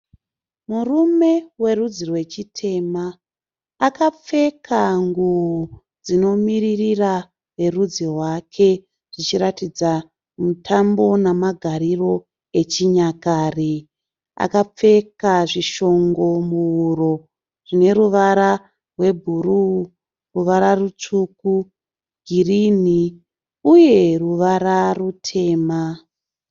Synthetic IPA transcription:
murume̞we̞rud͡zirwe̞t͡ʃitʰe̞maː | kap͡fe̞kʰaŋɡuu | d͡zino̞miririra | ʋe̞rud͡zirwakʰe̞ | ʐ̥it͡ʃiɾatid͡za | mutʰambo̞namaɡʱaɾiro̞ | et͡ʃiɲakaːri | a̰kap͡fe̞kaʐiʃo̞ŋɡo̞muuɾo̞ | rine̞ɾuʋaɾa | rwe̞bʱuru | ruʋaɾarut͡ʂuku | ɡʱirini | uje̞ruʋaɾarutʰe̞ːma

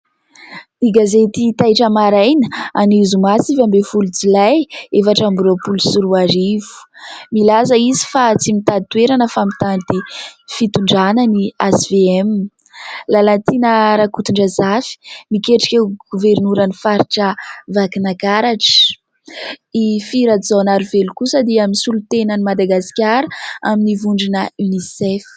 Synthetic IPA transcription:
d̪̥iɡazet̪it̪ajʈ͡ʂəmaɾajnəanizumasifambefulut͡silajefaʈ͡ʂambuɾopulusuɾuaɾivu̥milas̬əizi̥fat͡simit̪at̪weɾanəfamit̪and̪ifit̪uɳɖ͡ʐananiasiveɛm | lalat̪inəɾakut̪uɳɖ͡ʐazafi̥mikeʈ͡ʂi̥kewɡ̥uveɾnuɾənifaɾiʈ͡ʂəvakinakaɾaʈ͡ʂə̥ | ifiɾaizanaɾivelukusəd̪iaminisulut̪enənimad̪aɡaskʲaɾəaminivuɳɖ͡ʐinəynisɛf

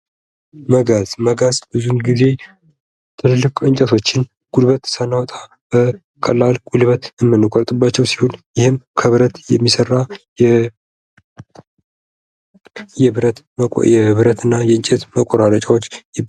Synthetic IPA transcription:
məɡazməɡazb̥ɨzunɡize̞ | t̪ʰɨlɨlːɨkʼɨɲt͡ʃʼɛt̪ʰo̞t͡ʃːɪn | ɡ̥ulβət̪sənːawɔt̪ʼa | b̥ə | kʼəlːalɡ̥ulβət̪ɨmːɨnːɨkʷʼɔɾt̪ʼɨbːat͡ʃːɛwsi̥ho̞njɪhɨmkʰəβɨɾət̪jɛmːisərːajɛ | jɛɾət̪ʼ | jɛβɨɾət̪ʰɨnːajɛɨnt͡ʃʼet̪məkʼoɾalət͡ʃʼawot͡ʃː

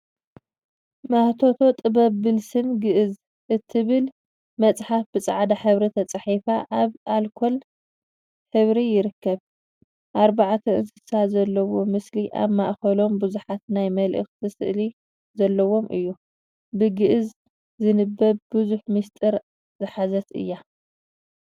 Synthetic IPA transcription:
maht̪ʰo̞t̪ʰo̞t̪ʼɨbɐβːɨlsɨmɡɨʔɨz | ʔɨt̪ʰːɨβɨl | mɐt͡sʼħafbɨt͡sʼaʕd̪aħɨβɾit̪ʰɐt͡sʼɐħifaʔaβʔalkʰol | ħɨβɾijɪɾɨkːɐβ | ʔaɾbaʕat̪ʰɐɨ̰nsɨ̥sazɐlːɐwo̞mɨsliʔa̰βmaʔxɐlo̞mbɨzuħat̪̚najmɐlʔɨ̰xzɨsɨʔli | zɐlːɐwo̞mʔɨ̰jːu | bɨɡɨʔz | zɨnɨbːɐβbɨzuħmɨst̪ʼɨɾ | zɨħazɐt̪ɨ̰jːa

